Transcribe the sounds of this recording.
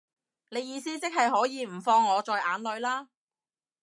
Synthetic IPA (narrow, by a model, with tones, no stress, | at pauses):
ne˨˧jiː˨˧siː˥t͡sɪ˥k̚hɐ˨jɦɔː˨˥jiː˨˧m̩˨˩fɔː˧ŋːɔː˨˧t͡sɔː˨jʔa̰ː˨˥nlɵ˨˧ɥlaː˥